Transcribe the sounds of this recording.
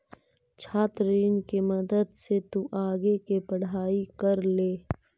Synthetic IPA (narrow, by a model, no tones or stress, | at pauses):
t͡ʃʰaːt̪ɾiːnkemɐd̪əd̪set̪uʔaːɡekepəɽ̤aːikɐɾleː